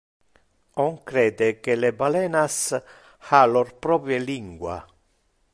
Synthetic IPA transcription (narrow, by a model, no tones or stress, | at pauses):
ɔŋkɾɛːd̪ekelebalɛːnas | halɔrpɾɔpɾjeliŋɡwa̰